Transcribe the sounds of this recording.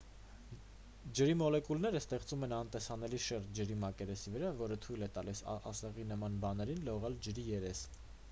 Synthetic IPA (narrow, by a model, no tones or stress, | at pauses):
d͡ʒəɾimɔlɛkulnɛɾəst̪ɛχt͡sumɛnɑnt̪ɛsɑnɛliʃɛɾt̪̚d͡ʒəɾimɑkɛɾɛsivəɾɑvɔɾət̪ʰujlɛt̪ɑlisɑ̰sɛʁinəmɑnbɑn̪ɛɾinlɔʁɑld͡ʒəɾijɛɾɛs